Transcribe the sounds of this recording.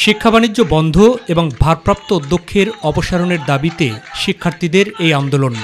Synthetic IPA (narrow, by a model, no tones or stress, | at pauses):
ʃikʰːabanidːʑobɔnd̪ʱoeboŋbʱaɾpɾap̚t̪oud̪ʱːokʰːeɾɔpoʃaɾoneɾd̪abit̪ḛʃikʰːaɾt̪ʰid̪eɾejand̪olon